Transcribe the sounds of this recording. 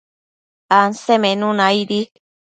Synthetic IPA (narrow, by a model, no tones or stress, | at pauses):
ansemẽnũnãjɾi